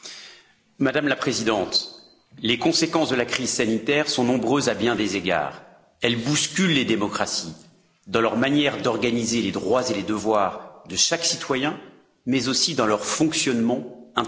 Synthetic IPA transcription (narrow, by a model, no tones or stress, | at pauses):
mad̪amlapχezid̪ɑ̃t̪ | lekɔ̃sekɑ̃sd̪əlakχizsanit̪ɛʁsɔ̃nɔ̃bʁøzabjɛ̃d̪ezeɡa̰ːʁ | ɛlbuskʲylːed̪emɔkχasi | d̪ɑ̃lœʁmanjɛʁd̪ɔʁɡanizeled̪ʁwazeled̪əvwaːʁd̪əʃaksit̪wajɛ̃ | mɛzosid̪ɑ̃lœʁfɔ̃ksjɔnmɑ̃ɛ̃